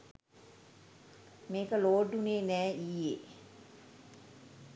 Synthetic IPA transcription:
meːkəloːɖuneːnɛːiːje

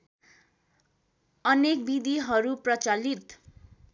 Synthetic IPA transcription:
ʌnek̚bid̪iɦʌɾuprʌt͡salit̪

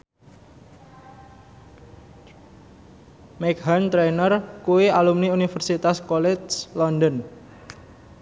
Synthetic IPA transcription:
mɛkɦant̪ɾenərkuwialumniunifərsit̪askɔlɛslɔndən

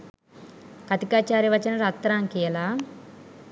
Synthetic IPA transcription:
kɐt̪ikaːt͡ʃaːɾiʋɐt͡ʃɐnɐɾat̪ɾaːŋkijɐla

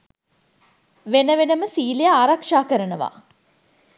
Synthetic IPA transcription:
ʋenəʋenəməsiːlejaːɾakʂaːkəɾənəʋa̰

